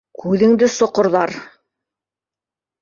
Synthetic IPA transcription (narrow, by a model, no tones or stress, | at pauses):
kʰʉðɘ̆ŋd̪ɘsŏqŏɾðɑɾ